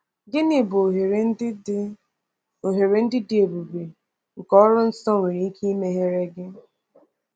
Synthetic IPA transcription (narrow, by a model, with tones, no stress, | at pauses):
ɡɪ˦nɪ˨bɦe˨ɾe˦dɪ˦ | o˨ɦe˨ɾe˨n̩˦dɪ˦dɪ˦e˨bu˨be˨ | ŋ̩˨kɔ˦ɾʊ˦n̩˦sɔ˦ŋʷe˨ɾi˨˦i˦kʰi˦i˦me˦ɦe˦ɾe˦ɡɪ˦